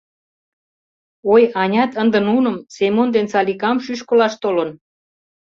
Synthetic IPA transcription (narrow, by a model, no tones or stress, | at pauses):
ojɑnʲɑt̪ənd̪ə̆nunə̆msemond̪ensɑlikɑmʃyʃkə̆lɑʃt̪olə̆n